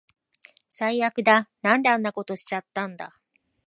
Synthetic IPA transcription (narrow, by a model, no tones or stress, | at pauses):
saijakɯ̟d̪anãnd̪eãnːako̞t̪o̞ɕi̥t͡ɕat̪ːãnd̪a̰